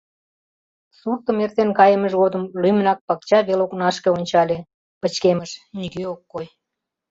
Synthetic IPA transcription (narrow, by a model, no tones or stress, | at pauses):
surt̪əmert̪enkɑjəməʒɣod̪əmlymnɑk̚pɑk̚t͡ɕɑβeloknɑʃkeonʲt͡ɕɑlʲe | pət͡ɕkeməʃniɡeokːoj